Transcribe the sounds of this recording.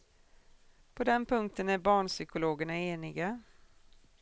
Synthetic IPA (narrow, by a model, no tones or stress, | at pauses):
pʰɔd̪ɛnpʰɵŋk̚t̪ənæɾbɑːɳʂʏkʊloːɡəɳaeːnɪɡa